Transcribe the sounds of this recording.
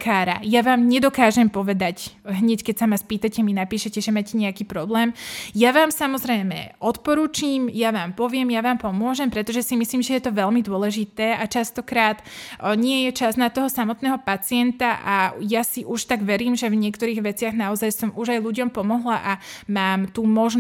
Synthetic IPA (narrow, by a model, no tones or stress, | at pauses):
kʰaːɾa̰jaʋaːmɲɛd̪ɔkaːʒɛmpɔʋɛd̪acɦɲɛckɛcsamaspiːt̪acɛminapiːʃɛcɛʒɛmacɛɲɛakiːpɾɔblɛːmjaʋaːmsamɔzɾɛjmɛ̰ʔɔt̪pɔɾuːt͡ʃiːmjaʋaːmpɔʋɪɛmjaʋaːmpɔmʊɔʒɛmpɾɛt̪ɔʒɛsimisliːmʒɛjɛt̪ɔʋɛlmid̪ʊɔlɛʒit̪ɛːʔat͡ʃast̪ɔkɾaːt̪ɲɪɛjɛt͡ʃaznat̪ɔɦɔsamɔt̪nɛːɦɔpat͡siɛnt̪aʔajasiʔuʃt̪aɡʋɛɾiːmʒɛvɲɪɛkt̪ɔɾiːɣʋɛt͡sɪaɣnaɔzajsɔmuʒajluɟɔmpɔmɔɦlaʔamaːmt̪umɔʒn